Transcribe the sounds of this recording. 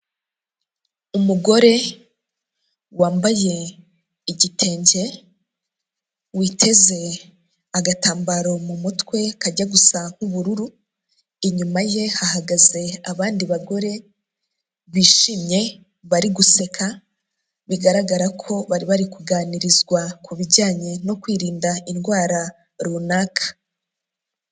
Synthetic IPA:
umuɡo̞ɾe̞ | waːmbaje̞ | iɟitʰe̞ːɲɟe̞ | witʰe̞ze̞ | aɡataːmbaɾo̞mumutkwe̞kaɟaɡusaŋ̥huβuɾuɾu | iɲumaje̞haɦaɡaze̞aβaːndiβaɡo̞ɾe̞ | βiːʃimɲe̞ | βaɾiɡuse̞kʰa | βiɡaɾaɡaɾakʰo̞βaɾiβaɾikuɡaːniɾizɡwakʰuβiɟaːɲe̞no̞kwiːɾiːndainɡwaːɾa | ɾunaːkʰḁ

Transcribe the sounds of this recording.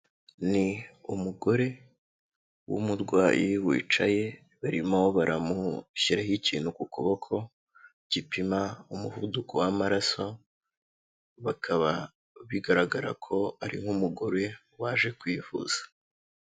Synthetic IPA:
niumuɡo̞ɾe̞ | wṵmuɾɡwaːjʔiwḭːt͡ʃaje̞ | βaɾimooβaɾʔamuɕiɾahiciːnhukuko̞βo̞kʰo̞ | ɟ̥ipimaumuhudukʰowamaɾaso | βakʰaβa | βiɡaɾaɡaɾa̰kʰo̞aɾḭŋ̥umuɡo̞ɾe̞ | waːʒe̞kwiːfṵz̥ḁ

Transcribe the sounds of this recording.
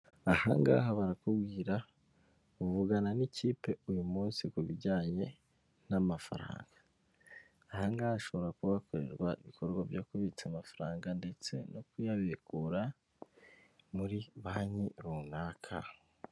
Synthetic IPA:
ahaŋɡa̰ːɦoβaɾakubɡiːɾa | uvuɡananiciːpe̞ujumuːnsikuβiɟaːɲe̞ | namafa̰ɾa̰ːŋɡ̥aː | haŋɡahaʃo̞βo̞ɾakuβakoɾe̞ɾɡwaiβikʰo̞ɾɡwavjokuβit͡samafaɾaːŋɡande̞t͡se̞nokujaβekuɾa | muɾiβaɲiɾunaːkʰa̰

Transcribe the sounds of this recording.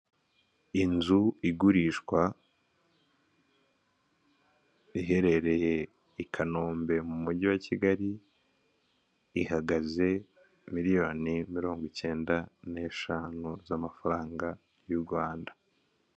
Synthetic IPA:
inzuiɡuɾiʃkwa | iɦe̞ɾe̞ɾe̞je̞ | ikʰano̞ːmbe̞mumuɟiwaciɡaɾi | ɦaɡaze̞ | miɾijo̞ːnimiɾo̞ːŋɡwice̞ːndane̞ːʃaːnuzamafaɾaːŋɡa | juɾɡwaːndḁ

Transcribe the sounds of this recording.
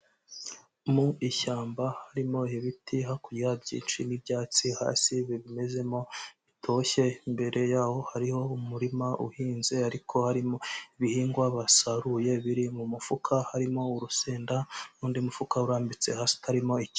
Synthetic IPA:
muiçaːmbahaɾimo̞iβitʰiɦakuabɟḭːnt͡ʃinibjaːt͡siha̰ːsiβiβime̞ze̞mo̞βitʰo̞çe̞imbe̞ɾʔe̞jaːho̞haɾiho̞umuɾimaʔṵhiːnzeaɾikʰo̞haɾimoiβihiːŋɡwaβasaɾuje̞βiɾimumufukʰahaɾimo̞uɾuseːndaɾuːndiumufukauɾaːmbit͡se̞̰haːsi̥tʰaɾimo̞ici̥

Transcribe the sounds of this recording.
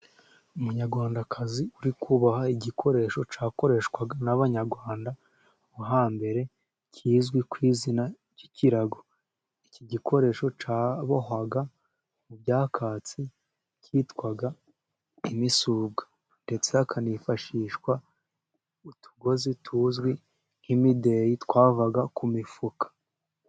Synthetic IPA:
umuɲaɾɡwaːndakʰaziuɾikuβahaiɟikʰo̞ɾe̞ːʃo̞t͡ʃaːko̞ɾe̞ːʃkwaɡanaβaɲaɾɡwaːnda | uɦaːmbe̞ɾe̞ | cʰiːzɡwikwiːzina | ɟiciɾaɡo̞ | iciɟikʰo̞ɾe̞ːʃo̞t͡ʃaːβo̞ɦaɡa | mubjaːkʰaːt͡si | cʰiːtwaɡa | imisuːb̚ɡḁ | nde̞t͡se̞akʰanifaʃiːʃkwa | utu̥ɡo̞zitʰuːzɡwi | himide̞jitwaːvaɡakumifukḁ

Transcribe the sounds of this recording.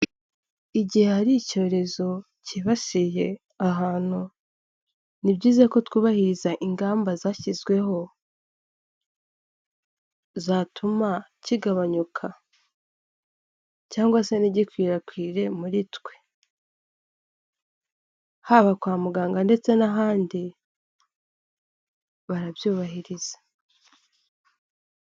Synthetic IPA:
iɟihe̞haɾico̞ːɾe̞zo̞ | ciβaʃije̞ | aɦaːn̥hu | nibɟiːzeko̞twuβahiɾizaʔiŋɡaːmbazaçizɡwe̞ho̞ | zaːtʰumaciɡaβaɲukʰa | caːŋɡwase̞niɟikwiːɾakwiːɾe̞muɾitwe̞ | haβakwaːmuɡaːŋɡande̞t͡se̞naɦaːndi | βaɾaβjuːβaɦiɾiz̥ḁ

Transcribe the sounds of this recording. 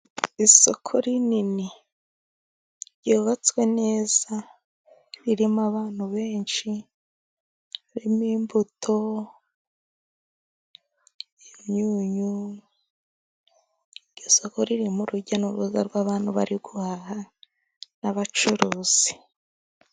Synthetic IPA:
iso̞kʰo̞ɾinini | ɾɟoːβat͡swe̞ne̞ːz̥a | ɾiɾimaβaːn̥huβe̞ːnʃi | ɾimiːmbutʰo̞ | imɲuːɲu | iɾɟoso̞ko̞ɾiɾimuɾuɟanuɾuza̰ɾɡwaβaːn̥huβa̰ɾiɡuhaha | naβat͡ʃuɾuːz̥i̥

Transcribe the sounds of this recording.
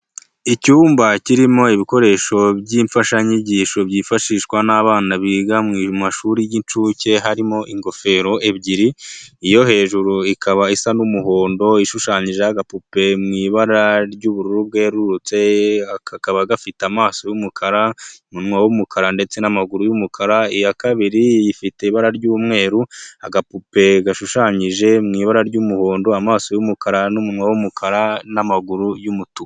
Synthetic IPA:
icuːmbaciɾimo̞iβiko̞ɾe̞ːʃo̞bɟiːɱfaʃaiɲiɟiːʃo̞bjiːfaʃiʃkwanaβaːnaβiɡamŋimaʃuːɾijint͡ʃuːce̞ɦaɾimo̞ʔiŋɡo̞fe̞ɾo̞e̞bɟiɾiijo̞he̞ːʒuɾuikaβaisanumuɦoːndo̞iʃuʃaːɲiʒejaɡapupe̞mŋiːβaɾaɾɟuːβuɾuɾub̚ɡe̞ɾuɾut͡se̞akʰakaβaɡafiteamaːso̞jumukʰaɾaumunŋwawumukʰaɾande̞t͡se̞namaɡuɾujumukʰaɾaijakaβiɾijifite̞iβaɾaɾɟuːmŋe̞ːɾua̰ɡapupe̞ɡaʃuʃaːɲiʒe̞mŋiːβaɾaɾɟuːmuho̞ːndo̞amaːso̞jumukʰaɾanumunwawumukʰaɾanamaɡuɾujumutu

